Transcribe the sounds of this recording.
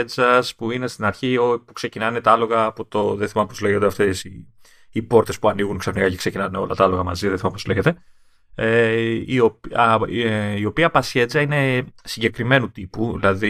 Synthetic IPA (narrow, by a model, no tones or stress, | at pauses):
ed͡zɐspuine̞st̪inɐɾçiopuksecinɐne̞t̪ɐɐlo̞ɣɐːpo̞t̪oðeθimɐmpo̞zle̞ɣoneɐft̪esiː | po̞ɾt̪e̞spuɐniɣunksɐfnikɐce̞kse̞cinɐneo̞̰lɐt̪ɐɐlo̞ɣɐmɐziðeθimɐmpozle̞ʝet̪e̞ | eiop | io̞piɐpɐsçe̞d͡zɐine̞siɲɟe̞kɾime̞nut̪ipuðilɐði